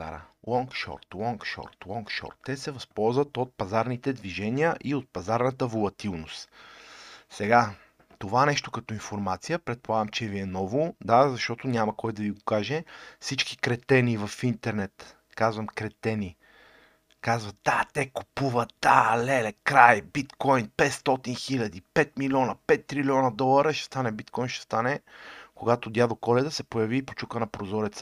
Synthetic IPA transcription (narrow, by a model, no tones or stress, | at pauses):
a̰ɾə̰lɔŋkʃɔ̰ɾt̪lˠɔŋkʃɔ̰ɾt̪lˠɔŋkʃɔ̰ɾt̪ːɛsɛvɐspɔlˠzvɐt̪ot̪̚pɐzaɾnit̪ɛd̪viʒɛniəʔiot̪̚pɐzaɾnɐt̪əvolˠɐt̪ilˠnost̪ | sɛɡa | t̪ovanɛʃt̪o̥kɐt̪ɔinfoɾmat̪sijəpɾɛt̪̚polˠaɡəmt͡ʃɛviɛnɔvod̪azɐʃt̪ɔt̪onʲamɐkɔjd̪ɐviɡokaʒɛfsit͡ʃki̥kɾɛt̪ɛnivɐfint̪ɛɾnɛt̪ | kazvəmkɾɛt̪ɛni | kazvɐd̪̥at̪ɛko̥puvəd̪alɛlɛkɾajbit̪kɔjnpɛt̪st̪ɔt̪inxilʲɐd̪ipɛt̪milʲiɔnəpɛt̪ːɾilʲiɔnəd̪ɔlˠəɾəʃɛ̥st̪anɛbit̪kɔjnʃɛ̥st̪anɛkoɡat̪od̪jad̪okɔlɛd̪əsɛpojɐviːpo̥t͡ʃukənɐpɾozɔɾɛt̪sə